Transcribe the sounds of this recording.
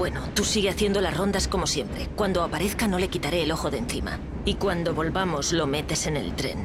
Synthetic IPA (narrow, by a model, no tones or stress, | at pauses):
bwe̞not̪usiɣeaθje̞nd̪o̞lasro̞nd̪asko̞mo̞sje̞mpɾe̞kwand̪o̞apaɾe̞θkano̞le̞kit̪aɾe̞ːloxo̞ðenθima̰ | ikwand̪o̞βo̞lβamo̞zlo̞me̞t̪e̞se̞ne̞̰lt̪ɾe̞̰n